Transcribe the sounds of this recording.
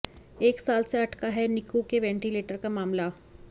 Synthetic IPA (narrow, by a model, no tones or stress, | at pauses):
eːksaːlseɐʈʰkaɦɛnɪkukeʋɛ̃ɳʈileːʈəɾkamaːmla